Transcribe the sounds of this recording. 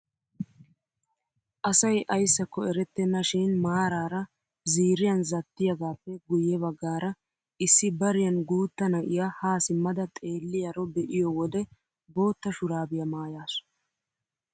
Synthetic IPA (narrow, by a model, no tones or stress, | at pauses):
ʔɐsɐjʔɐjsːɐkːɔɛɾɛt̪ːɛnːɐʃiːnmaːɾaːɾɐ | ziːɾɪjɐnzɐt̪ːɪjɐɡaːpːɛɡʊjɛβɐɡːaːɾɐ | ɪsːɪbɐɾɪjɐnɡuːt̪ːɐnɐʔɪjahaːsɪmːɐd̪ɐt̪ʼe̞ːlːɪjɐɾɔbɛʔɪjɔwɔd̪ɛ | bo̞ːt̪ːɐʃʊɾaːbɪjɐmaːjaːs